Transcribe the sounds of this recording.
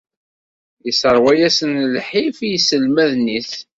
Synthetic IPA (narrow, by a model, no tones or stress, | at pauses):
jəsəɾˤwæjæsənlħifijsəlmæðniθ